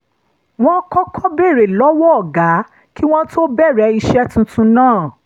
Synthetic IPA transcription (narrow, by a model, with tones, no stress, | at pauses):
w̃ɔ̃˦kɔ̃˦kʰɔ˦be˦˨ɾe˨lɔ˨˦wɔ˦˨ɡa˨˦ | ki˦w̃ɔ̃˦to˦bɛ˦˨ɾɛ˧˦i˧ʃɛ˦tũ˧tũ˧nãː˦˨